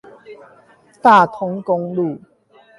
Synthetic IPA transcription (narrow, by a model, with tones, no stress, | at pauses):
t̪a˨˩t̪ʰɔ˧ŋkɔ˧ŋlu˨˩